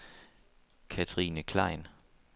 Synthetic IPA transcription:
kʰæt͡sʰʁiːnəkʰlɑ̰̈ɪn

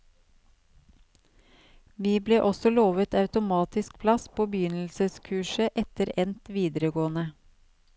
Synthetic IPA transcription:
ʋiːbleːʔɔsɔloːʋət̪ɑʉt̪ʊmɑːt̪ɪsk̚pʰlɑspʰoːbəjʏnl̩səskʰʉːʃəʔɛt̪əɾɛnt̪ʋiːd̪əɾəɡoːənə

